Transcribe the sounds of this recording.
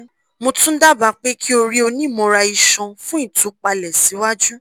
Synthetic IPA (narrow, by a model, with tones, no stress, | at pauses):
mõ˧tũ˦n̩˦da˦ba˨˦k͡pe˦kʰi˦o˧ɾi˦o˧nĩ˦˨mɔ̃˨˧ɾa˧i˧ʃɔ̃˧fũ˦i˦˨tu˨˦k͡pa˧lɛ˨si˨˦wa˦d͡ʒu˦